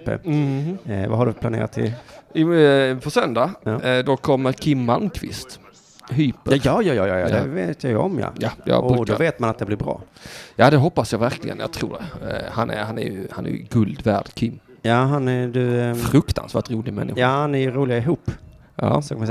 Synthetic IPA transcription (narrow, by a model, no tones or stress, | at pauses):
pə̰ɾ | vaɦaɖɵpʰlanḛːɾat̪ʰːɪ̰l | fɔsœnd̪ajd̪ɔkʰɔmːəɾkʰɪmːalkʰvɪ̰st̪ | ɦyːpːəjɑjɑːjɑːjɑja̰d̪ɛveːt̪jajɔ̰mjɑ̰jajɑ̰ʉd̪ɔveːt̪manat̪̚d̪ɛblɪɾbɾɑ̰ːjad̪ɛɦɔpːasjɑvæɾklɪɡə̰nja̰t̪ʰɾṵːɖɛhanhanæ̰jɵha̰næ̰ɾjɵ̰ɡɵld̪væːɖ̥kʰɪmː | jaːɦanæd̪ɵfɾɵkt̪ʰa̰nsvæːʈɾuːlɪɡmɛ̰nːʔɪɧjahanæɾjɵɾuːlɪɪɦuːpː | ja̰ːsɔkʰamas